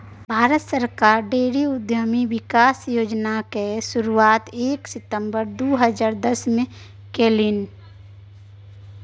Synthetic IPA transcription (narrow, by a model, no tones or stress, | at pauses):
bʱaːɾət̪səɾkaːɾɖeːɽiʊd̪ʱjəmiʋɪkaːsjoːd͡ʒnakesʊɾuaːt̪eːksɪt̪ə̃mbəɾd̪oːɦəd͡ʒaːɾd̪əsmẽ | keːlin